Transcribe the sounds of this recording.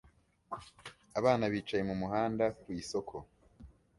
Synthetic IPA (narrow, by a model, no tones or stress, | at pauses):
aβaːnaβiːt͡ʃaje̞mumuɦaːndawiso̞kʰo̞